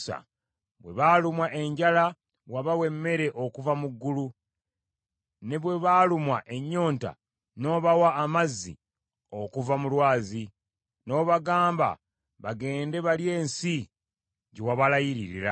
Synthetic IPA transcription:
sa̰ | βwe̞̰βalumwaʔe̞ɲɟala | waβawe̞mːe̞ɾe̞ʔo̞kuvamuɡːulu | ne̞βwe̞βalumwaʔe̞ɲːo̞ːnta̰ | no̞ːβawaːmazːḭ | o̞kuvamulwaːzi | no̞ːβaɡaːmba̰ | βaɡe̞ːnde̞βalje̞ːnsi | ɟewaβalajiɾiɾḭɾa̰

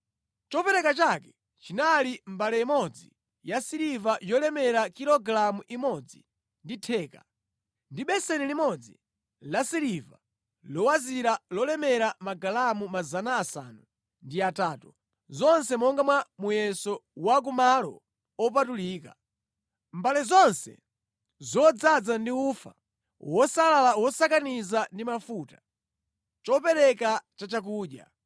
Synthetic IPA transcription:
t͡ʃɔpɛɾɛkat͡ʃakɛ̥ | t͡ʃinalimbalɛimɔd͡zi | jasiɾivajɔlɛmɛɾakilɔɡɾamuʔimɔd͡zi | nditʰɛːka̰ | ndiɓɛsɛnilimɔd͡zi | lasiɾiva̰ | lɔwaziɾalɔlɛmɛɾamaɡalamumazanaːsa̰ːnu | ndiataːtu | zɔnsɛmɔŋɡamwamujɛsɔwak̬umalɔ̰ | ɔp̬atuliːka | mbalɛzɔnsɛ̰ | zɔd͡zad͡zandiuːfa̰ | wɔsalalawɔsakanizandimafuːtḁ | t͡ʃɔpɛɾɛkat͡ʃat͡ʃak̬uːɗja̰

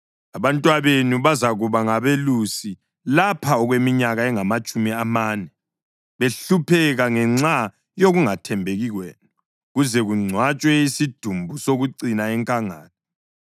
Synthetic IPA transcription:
aβantʼwaβenuβazaɣuβaŋaβelusi | lapʰaɔɣwemiɲaɣaɛŋamat͡ʃʼumiamaːnɛ | βeɬupʰɛɣaŋɛŋ͡ǀa | joɣuŋatʰɛmbʱeɣiɣweːnu | ɣuzɛɣuŋ͡ǀʱwat͡ʃʼwɛisid̥ʱumbʱusoɣuǀinaɛŋkʼaŋa̰ːtʰi

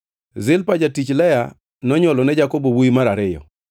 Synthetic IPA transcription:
zɪlpad͡ʒatit͡ʃlɛja | nɔɲɔlɔnɛd͡ʒakobowuimaɾaɾɪjɔ̰

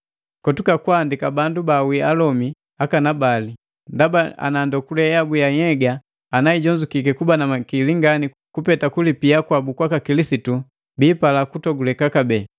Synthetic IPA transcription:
kɔtukakwandikabandubawialɔmi | akanabali | ndabaa̰nandɔkulɛjabujaɲɛɡaː | naiɟɔɲd͡ʒukikɛkubanamakiliŋɡani | kupɛtakulipiakwabukwakakilisitu | biːpalakutɔɡulɛkakabɛː

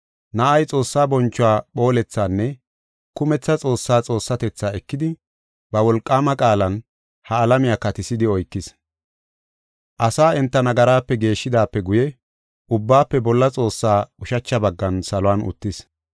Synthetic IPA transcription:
nɐʔɐjt͡sʼo̞ːsːaːbɔnt͡ʃːʊwaːɓo̞ːlɛt͡sːaːnːɛ | kʊmɛt͡sːɐt͡sʼo̞ːsːaːt͡sʼo̞ːsːɐt̪ɛt͡sːaːɛkːɪd̪ɪ | bɐwɔlkʼːaːmɐkʼaːlɐn | hɐːlɐmɪjaːkɐt̪ɪsɪd̪ɪɔjkːɪs | ʔɐsaːɛnt̪ːɐnɐɡɐɾaːpːɛɡe̞ːʃːɪd̪aːpːɛɡʊjɛ | ʊbːaːpːɛbɔlːɐt͡sʼo̞ːsːaːʊʃɐt͡ʃːɐbɐɡːɐnsɐlʊwaːnʊ̰t̪ːɪs

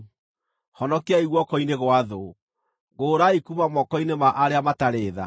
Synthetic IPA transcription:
hɔnɔkeaiɣwɔkɔineɣwaðo | ɡoːɾaikumamɔkɔinemaʔaɾeamataɾeːða̰

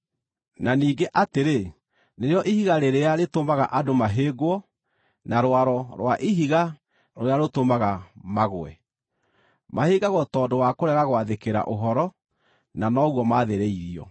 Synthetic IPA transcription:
naniːɡeʔateɾe | neɾeɔʔihiɣaɾeɾeaɾetomaɣa̰ʔadomaɦeːɡwɔ | naɾwaɾɔɾwaʔiɦiɣa | ɾoɾeaɾotomaɣamaɣwɛ̰ | maheːɡaɣɔtɔːdowakoɾɛɣaɣwaðekeɾa̰ʔoɦɔɾɔ | nanɔɣwɔmaːðeɾeiɾiɔ̰

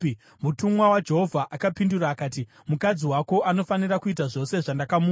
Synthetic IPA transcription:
mutumwawad͡ʒe̞ɦo̞vʱaʔakapinduraːkaːti | mukad͡ziwako̞ʔano̞fanirakuitaʐo̞se̞ʐandakamuː

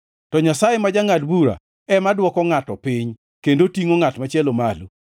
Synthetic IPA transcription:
tɔɲasajemad͡ʒaŋadbuɾa̰ | ɛmadwɔkɔŋatɔpɪɲ | kendotiŋoŋatmat͡ʃɛlomalu

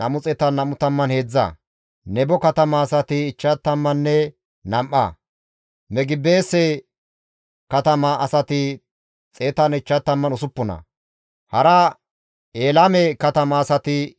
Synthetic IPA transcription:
nɐmʊt͡sʼɛt̪ɐnɐmʊt̪ɐmːɐnheːd͡zːɐ̰ | nɛbɔkɐt̪ɐmɐːsɐt̪ɪːt͡ʃːɐt̪ːɐmːɐnːɛ | nɐmʔɐ̰ | mɛɡɪbe̞ːsːɛ | kɐt̪ɐmɐːsɐt̪ɪ | t͡sʼe̞ːt̪ɐnɪt͡ʃːɐt̪ːɐmːɐnʊsʊpːɔnɐ̰ | hɐɾɐ | eːlamɛkɐt̪ɐmɐːsɐt̪ɪ

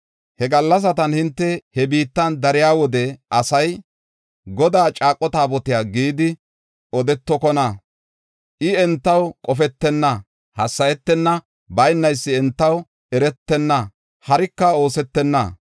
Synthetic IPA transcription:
hɛɡɐlːɐs̬ɐt̪ɐnhɪnt̪ːɛhɛbiːt̪ːɐnd̪ɐɾɪjaːwɔd̪ɛʔɐsɐj | ɡɔd̪aːt͡ʃʼaːkʼːɔt̪aːbɔt̪ɪjaːɡiːd̪ɪ | ɔd̪ɛt̪ːɔkɔnɐ | ʔɪɛnt̪ːɐwkʼɔfɛt̪ːɛnːɐ | hɐsːɐjɛt̪ːɛnːɐ | bɐjnːɐjsːɪɛnt̪ːɐw | ɛɾɛt̪ːɛnːɐ | hɐɾɪkːɐo̞ːsɛt̪ːɛnːɐ̰

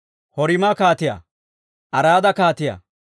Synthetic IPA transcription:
hɔɾɪmɐkaːt̪ɪja̰ː | ʔɐɾaːd̪ɐkaːt̪ɪja̰

